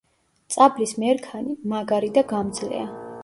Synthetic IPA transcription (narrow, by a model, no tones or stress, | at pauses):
t̪sʼablismɛɾkʰanimaɡaɾid̪aɡamd̪zlɛ̰a